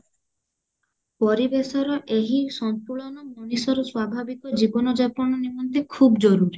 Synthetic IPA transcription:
pɔɾibesɔɾɔʔeɦisɔmp̪uɭɔnɔmɔnisɔɾɔswabʱabikɔd͡ʒibɔnɔd͡ʒapɔɽ̃ɔnimɔnt̪ekʰubd͡ʒɔɾuɾi

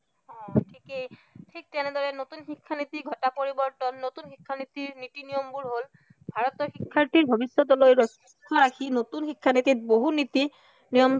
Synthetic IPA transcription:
ɔ̃tʰikejtʰik̚tɛned̪ɔɹɛnot̪unxikʰːanit̪iɡʱɔtapoɹibɔɹt̪ɔnːot̪unxikʰːanit̪iɹnit̪inijɔmbuɹɦol | bʱaɹɔt̪ɔxikʰːaɹtiɹbʱɔbisːɔt̪ɔlojɹɔs | kʰːɔɹakʰinot̪unxikʰːanit̪it̚boɦunit̪i | nijɔm

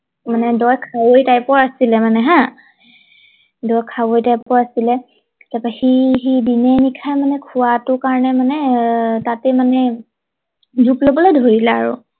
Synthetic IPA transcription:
manɛdɔjkʰawojtajpɔɹasilɛmanɛɦã | dɔjkʰawojtajpɔɹasilɛ | tapaxiɦidinɛnikʰajmanɛkʰʊwatʊkaɹɔnɛmanɛtatɛmanɛ | zuplobɔlojdʱoɹilɛa̰ɹṵ

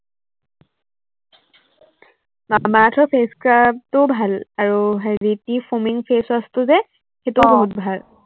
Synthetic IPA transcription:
mamatʰɹɔpʰeskɹap̚tʊbʱalaɹuɦɹitipʰumiŋpʰesastʊzɛ | xetʊboɦut̚bʱal

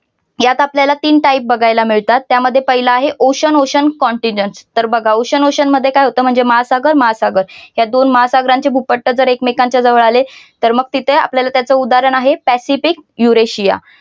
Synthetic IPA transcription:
jat̪apljalat̪iːnʈaip̚bəɡʱajlamiɭt̪at̪ːjaməd̪ʱjepəɦilaːɦeʔoɕənoɕənkɔɳʈiɲd͡ʑənst̪əɾbəɡʱaoɕənoɕənməd̪ʱːjekajɦot̪əːm̤əɳd͡zemaasaɡəɾməɦasaɡəɾɦjad̪onməɦasaɡɾaɲt͡ɕebʱupəʈːəd͡zəɾekmekaɲt͡ɕjad͡zəʋəɭalet̪əɾməɡ̚t̪it̪ʰəa̰pljalat̪jat͡səud̪aɾəɳaɦepæsifikjuɾeɕija̰

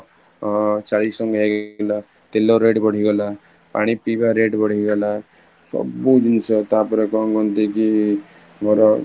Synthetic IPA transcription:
t͡ʃaɽisɔŋɡɦeɡla | t̪eloɾeʈbɔɽ̤iɡɔla | paɽ̃ipibaɾeʈbɔɽ̤iɡɔla | sɔ̰bud͡ʒinsɔt̪apɔɾɔkɔŋɡɔnt̪iki | moɾɔ

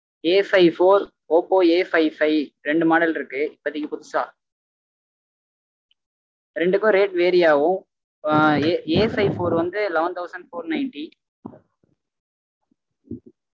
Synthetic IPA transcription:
eːfɐɪfoːɾ | oːpoːeːfɐɪfɐɪɾɛɳɖɯmaːɽɐlɪɾɯkːɯɪpːɐðɪkːɯpʊðɯsaː | ɾɛɳɖɯkːʊ̃ɾeːʈʋeːɾɪjaːʋʊ̃ | eːfɐɪfoːɾʋɐnd̪ɯlɛʋɐnt̪ʰɐʊsɐɳɖfoːɾnɐɪɳʈi

